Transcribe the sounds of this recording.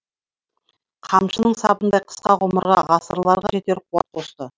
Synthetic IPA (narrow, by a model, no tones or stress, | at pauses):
qʰɑmʃənəɴsɑbənd̪ɑjqʰə̥sqɑʁoməɾʁɑʁɑsəɾlˠɑɾʁɑʒe̞t̪e̞ɾqʰuwɑ̰t̪̚qʰo̞st̪ə